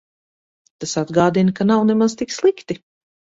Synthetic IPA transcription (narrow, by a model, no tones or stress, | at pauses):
t̪asad̪ɡaːd̪inkanawnemaz̥t̪ikslˠikt̪i